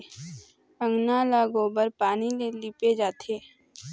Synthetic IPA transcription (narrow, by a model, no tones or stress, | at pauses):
ə̃ŋɡnaːlaɡoːbəɾpaːnileliːped͡ʒaːt̪ʰeː